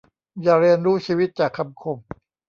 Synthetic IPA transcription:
jaː˨˩ɾi˧ənɾuː˦˥t͡ɕʰiː˧wi˦˥t̪̚t͡ɕaː˨˩kʰːa˧mkʰo˧m

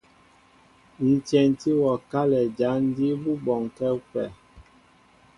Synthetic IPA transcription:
n̩˨tɛ˨nti˦wɔ˨ka˦lɛ˨d͡ʒa˨˦n̩˦di˦bu˦bɔ˨ŋkɛ˦kwɛ˨

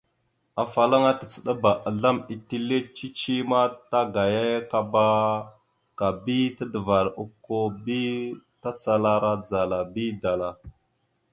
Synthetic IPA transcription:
a˨fa˨la˦ŋa˦tə˨t͡sə˨ɗa˦ba˨ʔa˨ɮa˦mi˨ti˦le˦t͡ʃi˦t͡ʃi˦ma˦ta˦ɡa˨je˦ka˦ba˦ | ka˨bi˦ta˦də˨va˨ɾu˦kːo˦bi˦ta˦t͡sa˦la˦ɾa˦d͡za˨la˨bi˦da˨la˨

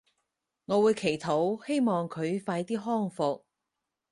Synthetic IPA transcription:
ŋɔː˨˧wuː˨˧jkʰe˨˩jt̪ʰo˨˥whe˥jmɔː˨ŋkʰɵ˨˧ɥfaː˧jt̪iː˥ɦɔː˥ŋfʊ˨k̚

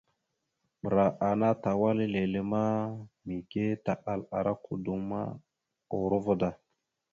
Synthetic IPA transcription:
ɓə˨ɾa˨ʔa˨na˦ta˨wa˦le˦le˨le˦ma˦mi˨ke˦ta˨ʔa˨la˨ɾa˦ku˨du˦ŋma̰˦ | o˨ɾo˦vo˦da˨

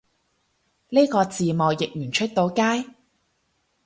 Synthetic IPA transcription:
niː˥kɔː˧t͡siː˨mɔː˨˩wjɪ˨k̚jyː˨˩nt͡ʃʰɵ˥t̚t̪o˨˧wkaː˥j

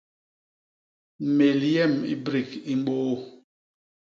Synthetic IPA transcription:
me˨ljɛ˦˨mḭ˦bɾi˦˨ki˦m̩˦ɓoː˦

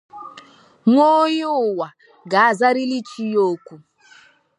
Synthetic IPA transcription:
ŋʷo˦jʊ˨wa˨ | ɡa˨˦˨za˦ɾi˦li˦t͡ʃi˦joː˦kʷu˨

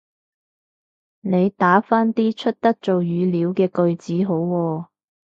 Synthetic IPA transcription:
ne˨˧jt̪aː˨˥faː˥nt̪iː˥t͡ʃʰɵ˥t̚t̪ɐ˥k̚t͡so˨wjyː˨˧liː˨˧˥wkɛː˧kɵ˧ɥt͡siː˨˥ɦo˨˥wːɔː˧

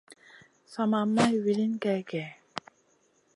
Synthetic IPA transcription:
sa˨ma˨mːa˦jwi˨li˦nkɛ˧kɛ˨

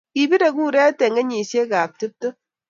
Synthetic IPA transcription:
ki˨bi˦de˨ku˦ɾɛ˦te˨ŋɡe˦ɲi˨sje˦ka˨k̚tɨ˦p̚to˦

